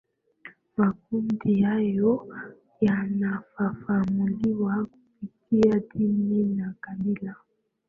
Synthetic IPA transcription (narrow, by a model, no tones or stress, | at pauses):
mak̚undijajɔ | janafafamuliwakufikiadininakabila